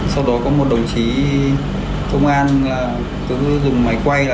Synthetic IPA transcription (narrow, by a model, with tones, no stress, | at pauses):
sa˧wɗɔ˨˦kɔ˨˦mo˨˩t̚ɗə˨˩wŋ͡mt͡ɕi˨˦ | kə˧wŋ͡mʔaː˧nː˨˩ | t̪o˧˦zʊ˨˩ŋ͡mma˨˦jkwa˧j